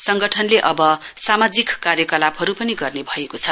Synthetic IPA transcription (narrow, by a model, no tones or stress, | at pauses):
sʌŋɡʌʈʰʌnleʔʌbʌsamad͡zikkarjʌkʌlabɦʌɾupʌniɡʌrnebʱʌekot͡sʰʌ